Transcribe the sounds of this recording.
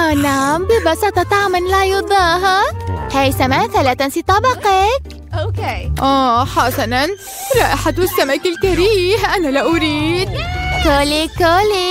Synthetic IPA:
ʔanaʕmbɪbɑsɑt̪ˤɑt̪aʕmanlajʊd̪ˤɑːɦahajsamaʔθalat̪ansit̪ˤɑbɑqɑk | ʔokeʔaːħasanan | ɾˤɑːʔɪħad̪wɪsːamakɪlkaɾiːɦʔanalaʔʊɾiːd̪̚kolikoli

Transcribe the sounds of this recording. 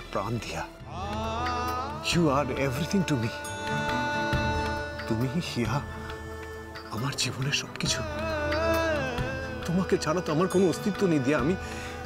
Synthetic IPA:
pɾa̰nd̪ija | juaɾevɾit̪ʰĩŋʈumi | t̪umiihia | amaɾd͡ʑiboneɾʃɔbkit͡ɕʰu | t̪omaket͡ɕʰaɽat̪oamaɾkonoost̪it̪ːonejd̪ijaami

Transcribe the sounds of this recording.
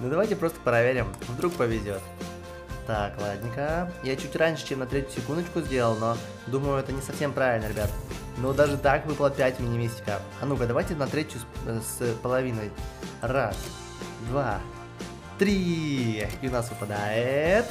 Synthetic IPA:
nud̪ɐvajtʲɪpɾo̞st̪ə̥pɾɐvʲeɾʲɪmvd̪ɾuk̚pəvʲɪzʲo̞t̪ | d̪aklˠadʲnʲɪkəjat͡ɕutʲranʲʂɨ̥t͡ɕemnɐt̪ɾʲetʲjʊsʲɪkund̪ət͡ɕkʊzʲdʲe̞lˠəlˠno̞ | d̪uməjʊɛt̪ənʲɪsɐfsʲe̞mpɾavʲɪlʲnəɾʲɪbʲat̪ə | nod̪aʐɨt̪akvɨplˠəpʲætʲmɪənʲɪmʲisʲtʲɪ̥kə̰ | ɐnukəd̪ɐvajtʲɪnɐt̪ɾʲetʲjʊsspəlˠɐvʲinəjras | d̪va | t̪ɾʲi | jʊnasvɨpəd̪aɪt̪

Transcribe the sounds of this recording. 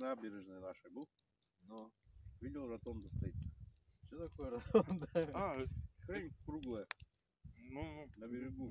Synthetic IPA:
naabʲɪɾʲɪʐnɨjənaʂɨbulˠ | novʲilʲɪlˠɾɐt̪ond̪əst̪ɐit̪̚sʲot̪ɐkojəɾɐt̪ond̪aaxɾemʲkɾuɡlˠəjə | nunɐbʲɪɾʲɪɡu

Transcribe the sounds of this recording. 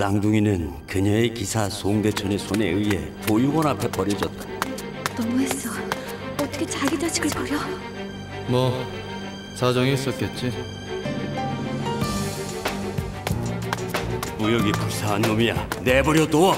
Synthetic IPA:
taŋduŋinɯnkɯɲeekisʰasʰoŋde̞t͡ɕʰʌnesʰone̞ɯie̞tojuɡʌnapʰe̞pʌɾjʌd͡ʑʌt̚t͈ḁ | nʌmues͈ʌ | ʌt͈ʰʌkʰet͡ɕaɡid͡ʑaɕʰi̥ɡɯɭkʌɾjʌ | mʌ | sad͡ʑʌŋiis͈ʌt̚k͈et̚t͡ɕ͈i | pujʌɡipuɭs͈ʰaɦːnːomijanebʌɾjʌt͈o

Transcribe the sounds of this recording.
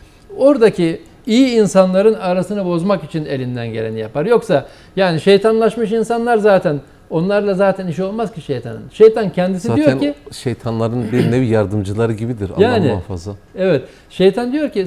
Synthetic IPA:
o̞ɾd̪acʰi | ijiːnsanlˠaɾɯnaɾasɯnabo̞zmakit͡ʃʰine̞lʲind̪ænɟelʲenijapʰaɾjo̞ksa | jaːniʃe̞jt̪ʰanlˠaʃmɯʃinsanlˠaɾzaːt̪ʰæn | o̞nlˠaɾlˠazaːt̪ʰæniʃo̞lˠmaz̥ciʃejt̪ʰa̰nɯ̰nʃe̞jt̪ʰancʰɛnd̪isidijoniʃejt̪ʰanlˠaɾɯnbiɾnɛvijaɾd̪ɯmd͡ʒɯlˠaɾɯɟibid̪iɾajaːnia̰nfa̰zlˠaɛvɛt̪ | ʃe̞jt̪ʰand̪ijo̞ɾcʰi

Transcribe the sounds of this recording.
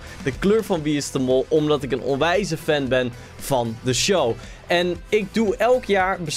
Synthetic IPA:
d̥əkløːɹvɑnʋiɪstəmɔlˠɔmdɑtɪkənɔ̰nʋɛjzəfɛnbɛn | v̥ɑndəʃow | ʔɛnɪɡ̚duɛlˠkjaːɹbəs

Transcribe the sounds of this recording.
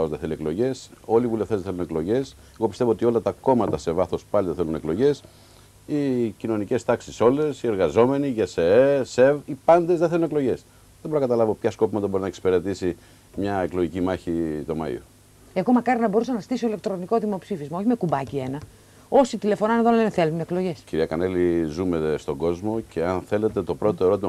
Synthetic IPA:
ozðeθe̞lie̞klo̞ʝe̞so̞liːvuleft̪ezðeθeluneklo̞ʝe̞s | e̞ɣo̞pisevoot̪io̞lɐt̪ɐko̞mɐt̪ɐse̞vɐθo̞spɐliðeθelune̞klo̞ʝe̞s | icino̞nice̞st̪ɐksiso̞le̞sie̞ɾɣɐzo̞me̞niʝɐseese̞vipɐnd̪e̞zðeθelunekloʝe̞s | ðeboɾnɐkɐt̪ɐlɐvo̞pçɐsko̞pimɐt̪ɐbo̞ɾinɐeksi̥pe̞ɾet̪isi | mɲɐe̞klo̞ʝicimɐçit̪o̞mɐ̰ḭo̰ | eɣo̞mɐkɐɾinɐbo̞ɾusɐnɐst̪isoile̞k̚t̪ɾo̞niko̞ðimo̞psifizmɐo̞çimekubɐcie̞nɐ | o̞sit̪ile̞fo̞nɐneðolleeθe̞lunme̞klo̞ʝe̞sciɾiɐkɐne̞lizume̞st̪o̞ɡo̞zmo̞ce̞ɐnθe̞le̞t̪e̞t̪o̞pɾo̞t̪o̞e̞ɾo̞t̪imɐ

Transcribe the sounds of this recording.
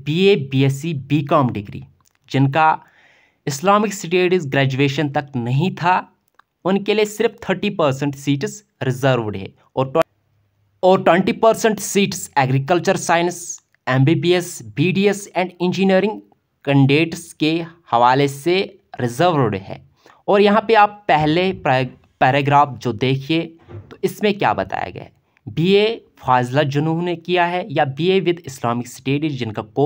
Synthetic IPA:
biːeːbiːesibiːkaːmɖɪɡɾḭː | d͡ʒɪnka | ɪslaːmɪksɪʈeːɖzɡɾɛːd͡ʒueːʃənt̪ɐknɐɦĩt̪ʰa | ʊnkeliesɪɾft̪ʰəɾʈipəɾsə̃ɳʈsiːʈs | ɾɪzəɾʋɖɦɛ̰ː | ɔːɾʈ | ɔːɾʈwẽɳʈipəɾsə̃ɳʈsiːʈsɛːɡɾikəlt͡ʃəɾsaːɪns | ɛ̃ːmbiːbiːesbiːɖiesɛ̃ːɳɖɪ̃nd͡ʒiniəɾɪ̃ŋɡ | kə̃ɳɖeːʈskehɐʋaːlese | ɾɪzəɾʋɾɽɦɛ̰̃ː | ɔːɾjɐɦãpeaːpːɛɦle | pɛːɾeɡɾaːfd͡ʒoːd̪eːkʰiet̪oɪsmẽkja̰ːbɐ̰t̪a̰ːja̰ɡɐ̰ḛ | biːefʰaːzlad͡ʒʊnuːnekijaɦɛjabiːeʋɪd̪ʱɪslaːmɪksʈeːɖid͡ʒɪnkakoː

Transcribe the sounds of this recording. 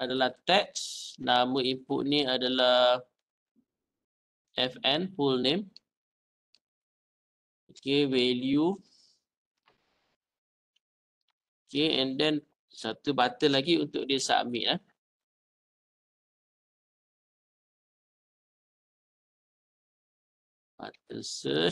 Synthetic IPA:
adalaht̪ɛk̚snaməimpʊʔnĩadalah | ʔɛfɛnpulnem | okewɛlju | okeɛ̃ndɛn | sat̪ubat̪əlaɡiunt̪ʊk̚disa̰mɪ̰ʔla | ba̰t̪əsə

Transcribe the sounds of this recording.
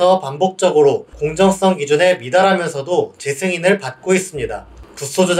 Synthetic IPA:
ʌpambok̚t͡ɕ͈ʌɡɯɾokoŋd͡ʑʌŋs͈ʌŋɡid͡ʑune̞midaɾɦamjʌnsʰʌdot͡ɕe̞sʰeŋinɯɭpat̚k͈ois͈ɯmɲidakus͈ʰod͡ʑo

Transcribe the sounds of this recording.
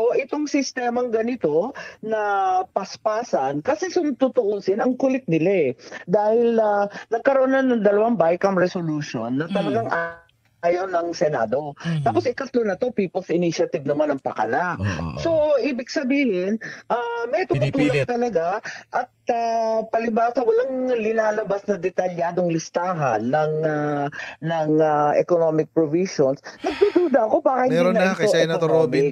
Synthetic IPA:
oʔɪt̪oŋsɪst̪ɛmɐŋɡɐnɪt̪o̞nɐpɐspaːsɐnkɐsɛsʊmt̪ʊt̪oʔosɪnɐŋkʊlɪt̪̚nɪlad̪aːhɪlnɐnɐɡ̚kɐɾoʔonɐnːɐŋd̪ɐlɐwaŋbajkɐmɹɛsoluːʃo̰nːɐt̪ɐlɐɡaŋʔa | jɐwnɐŋsɛna̰ːd̪o̞t̪aːpo̞sɪkɐt̪lonɐt̪o̞piːpolsɪniʃɐt̪ɪvnɐmanɐŋpɐ̰kɐ̰laʔso̞ʔiːbɪɡsɐbiːhɪnʔamɛʔt̪ʊmʊt̪uːlt̪ɐlɐɡaʔɐt̪̚apɐlɪbaːsɐwɐlaŋlɪnaːlɐbasnɐd̪ɛt̪ɐljaːd̪o̞ŋlɪst̪aːɦɐ̰nːɐŋɐnɐŋɐʔɛ̰konomɪk̚pɹoviʃonsnɐɡ̚d̪ud̪uːd̪ɐʔɐko̞baːkɐɪɐt̪ooomɪ

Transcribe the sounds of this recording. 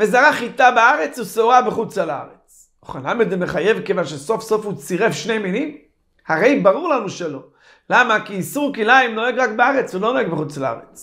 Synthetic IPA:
vezaʁaχit̪abeaʁet͡susoʁabeχut͡sala̰ʁet͡s | uχenlamid̪zɛmeχajevkevanʃesofsofhut͡siʁɛfʃnejminim | haʁejbaʁuʁlanuʃɛlo | lamakiːsuʁkilaimnoɛɡʁakbeaʁɛt͡svulonoɛɡbəχut͡sla̰ʁḛt͡s

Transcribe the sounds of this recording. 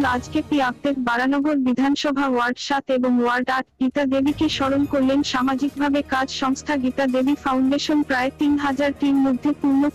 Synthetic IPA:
lad͡ʑkeʈ̪iab̚t̪eɾbaɾanɔɡoɾbid̪ʱanʃɔbʱawaɾɖʃat̪eboŋwaɾɖaʈɡit̪ad̪ebikeʃɔɾonkoɾlenʃamad͡ʑik̚bʱabekad͡ʑʃɔŋst̪ʰaɡit̪ad̪ebifawɳɖeʃonpɾaet̪inɦad͡ʑaɾʈimmod̪ʱːepuɾno

